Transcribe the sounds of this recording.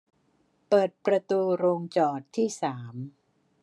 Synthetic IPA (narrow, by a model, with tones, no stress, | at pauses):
pɤː˨˩t̪̚pɾa˧t̪uː˧ɾoː˧ŋt͡ɕɔː˨˩t̪ʰːiː˥˩saː˩˦m